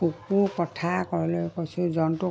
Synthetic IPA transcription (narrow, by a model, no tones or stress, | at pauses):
ukukɔtʰakɔɹɔlojkojsũzɔntu